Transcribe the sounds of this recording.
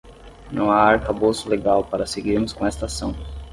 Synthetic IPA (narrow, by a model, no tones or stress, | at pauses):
nɐ̃w̃aaɾkabosʊleɡawpaɾɐseɡiɾmʊskõɛest̪asɐ̃w̃